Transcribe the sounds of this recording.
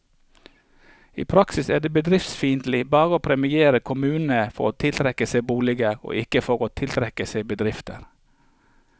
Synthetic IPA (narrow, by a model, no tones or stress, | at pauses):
ḭːpʰɾɑksɪsæːd̪eːbəd̪ɾɪft̪sfiːnt̪lɪbɑːʁəoːpʰɾɛmɪeːɾəkʰʊmʉːnn̩əfɔ̰ɾoːt̪ʰɪlt̪ʰɾɛkəseɪbuːlɪɡəɾo̰ːʔɪkəfɔʁoːt̪ʰɪlt̪ʰɾɛkəseɪbəd̪ɾɪft̪əɾ